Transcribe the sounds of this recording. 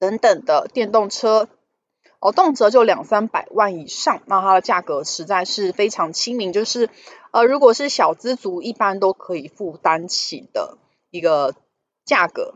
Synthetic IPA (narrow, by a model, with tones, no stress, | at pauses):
t̪ə˧˥ŋt̪ə˨˩ŋd̪ə˦t̪jɛ˥˧nt̪o˥˩ŋʈ͡ʂʰɤ˥ | ɔ˥˨˩t̪o˥˩ŋʈ͡ʂʰɤ˥t͡ɕjo˥˩ʊljɑ˨˩ŋsa˥npa˨˩ɪwa˥˩ni˨˩ʂɑ˥˩ŋna˥˩t̪ʰa˥d̪ə˨t͡ɕja˥˩kɤ˧˥˦ʂɻ̩˧˥t͡sa˥˧ɪʂɻ̩˥˩fe˥ɪʈ͡ʂʰɑ˧˥ŋt͡ɕʰi˥ŋmi˧˥ŋt͡ɕjo˥˧ʊʂɻ̩˥˩ | ə˧˩ɻu˧˥kwɔ˨˩ʂɻ̩˥˩ɕjɑ˨˩ʊt͡sɹ̩˥t͡su˧˥i˥˩pa˦˥nt̪o˥ʊkʰɤ˧˥i˨˩fu˥˩t̪a˥nt͡ɕʰḭ˨˩d̪̥ə̰˦ | i˧˥ɡə˧ | t͡ɕja˥˩kɤ̰˧˦